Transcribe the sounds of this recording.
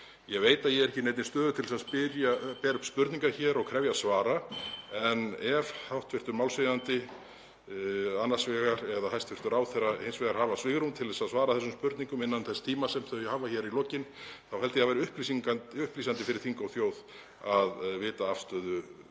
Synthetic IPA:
jɛɣveːjt̪aðjɛɣɾɛhcɪnɛjt̪nɪst̪œːðʏt̪ʰɪlsaðspɪɾjapɛːɾʏhpspʏɾt̪niŋkaçɛːɾɔɣkʰɾɛvjasvaːɾaɛnɛvhawht̪vɪr̥t̪ʏɾmawlsveðant̪ɪ | anːasvɛːɣaɾɛðahajst̪vɪr̥t̪ʏɾaːwθɛraejnsvɛːɣaɾ̥haːvasvɪɣɾunt̪ʰɪlðɛsaðsvaːɾaθɛsːʏmspʏɾt̪niŋkʏmɪnːanθɛst̪ʰiːmasɛmθœjɛhaːvaçɛɾilɔcɪnθawhɛlt̪ɪθavajɾɪʏhplisiŋk̪ʏhpliːsant̪ɪfɪɾɪɾ̥θiŋkawθjoːwð | aðvɪːt̪aafst̪œːðʏ

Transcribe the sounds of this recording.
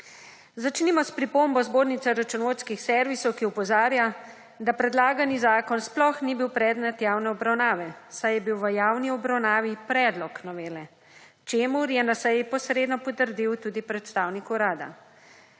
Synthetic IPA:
zat͡ʃnimɔspɾipombɔzboːɾnit̪ɛɾat͡ʃunoːskixsɛɾʋisɔwkiɔpɔzaːɾja | d̪apɾɛd̪laːɡanizaːkɔnsplɔxnibiwpɾɛːd̪nɛt̪jaːwnɛɔbɾawnaːʋɛsajɛbiwʋəjaːwniɔbɾawnaːʋipɾɛd̪lɔknɔʋeːlɛ | t͡ʃeːmuɾjɛnasɛjipɔsɾeːd̪nɔpɔt̪əɾd̪iwt̪ud̪ipɾɛt̪st̪aːwnikuɾaːd̪a̰

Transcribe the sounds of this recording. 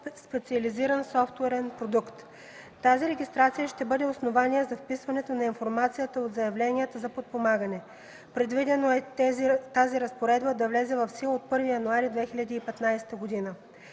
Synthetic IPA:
spɛt̪siɐliziɾənsɔft̪uɛɾɛnpɾod̪ukt̪ | t̪aziɾɛɡʲist̪ɾat̪sijəʃt̪ɛbɤd̪ɛosnovaniɛzɐfpisvɐnɛt̪onɐinfoɾmat̪sijət̪əot̪zɐjɐvlɛnijət̪əzɐpot̪̚pomaɡənɛ | pɾɛd̪vid̪ɛnoɛzt̪aziɾɐspoɾɛd̪bəd̪ɐvlɛzɛvɐfsilˠot̪̚pɤɾvijɐnuaɾid̪vɛxilʲɐd̪iːpɛt̪najsɛ̥t̪əɡod̪inə

